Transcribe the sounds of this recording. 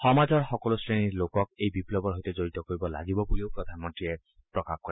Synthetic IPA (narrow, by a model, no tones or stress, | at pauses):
xɔmazɔɹxɔkɔlosɹeniɹlokɔk̚ejbiplɔbɔɹɦojt̪ɔzoɹit̪ɔkoɹibɔla̰ɡibɔbulioʊpɹɔd̪ʱanmɔntɹie | pɹɔkaxkɔɛ